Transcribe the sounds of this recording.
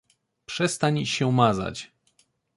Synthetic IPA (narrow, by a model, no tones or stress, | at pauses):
pʂɛst̪aɲɕɛumaza̰t͡ɕ